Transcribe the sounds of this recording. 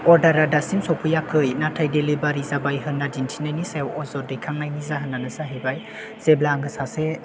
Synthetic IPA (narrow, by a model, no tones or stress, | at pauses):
ɔɾdaɾadasimsɔpʰujakʰɯjnatʰajdelibaɾizabajɦɯnːadintʰinajnisajwɔzɔɾdɯjkʰaŋnajnizaɦɯnːanɯzaɦibaj | z̥eblaŋɡɯsase